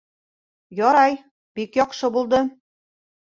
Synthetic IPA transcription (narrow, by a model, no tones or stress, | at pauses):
jɑɾɑj | pikjɑqʃɤ̆bulˠd̪ɤ̆